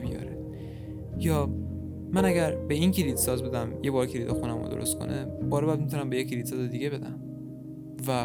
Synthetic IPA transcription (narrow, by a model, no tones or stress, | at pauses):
bijɒ̰ːɾe | jɒː | mænæɡæɾbe̞incʰilid̪sɒːzbe̞d̪æmjebɒːɾcʰiɾid̪ɒxunæmo̰d̪oɾost̪̚kʰo̰nʔebɒːɾæd̪̚mit̪ʰonæmbejecʰiɾid̪sɒːzed̪iɡe̞be̞d̪æm | væ